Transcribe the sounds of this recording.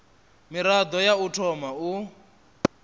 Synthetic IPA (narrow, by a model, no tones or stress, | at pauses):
miɾad̪ɔjautʰɔmau